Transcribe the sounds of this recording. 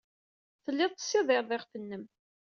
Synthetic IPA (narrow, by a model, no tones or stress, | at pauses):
θəlːɪðˤt̪ə̥sːɪðˤɪɾðˤɪʁfənːəm